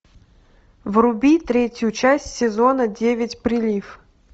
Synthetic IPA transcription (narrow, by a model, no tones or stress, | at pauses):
vrʊbʲit̪ɾʲetʲjʊt͡ɕæsʲtʲsʲɪzonədʲevʲɪtʲpɾʲɪlʲif